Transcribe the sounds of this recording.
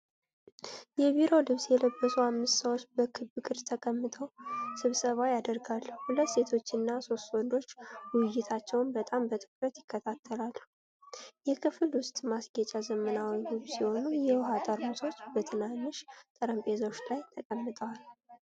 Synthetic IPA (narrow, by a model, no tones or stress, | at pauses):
jɛβiɾo̞lɨβsjɛləbːəsuhamːɨst̪səwot͡ʃːbəkʰɨbɨkʼɨɾt̪ʰəkʼəmːɨt̪ʰʼəwsɨβsəβajad̪əɾɡalːhulət̪ːse̞t̪ʰo̞t͡ʃːɨnːaso̞st̪wɔnd̪o̞t͡ʃːwɪjːɪt̪ʰat͡ʃːɛwnbət̪ʼambət̪ʼɨkʼɾət̪jɪkːət̪ʰat̪ʰːəlalːu | jɛkʰɨfɨlwʊst̪ʼmasɡət͡ʃʼazəmənawilɨβsiho̞nujɛwɦat̪ʼəɾmut̪ʰo̞t͡ʃːbət̪ʰɨnanːɨʃt̪ʼəɾəmpʼe̞zot͡ʃːlajt̪ʰəkʼəmːɨt̪ʼəwal